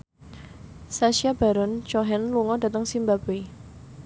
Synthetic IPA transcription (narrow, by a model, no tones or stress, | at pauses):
saʃiab̥a̤ɾɔnt͡ʃɔɦɛnluŋɔda̤t̪əŋsimbabe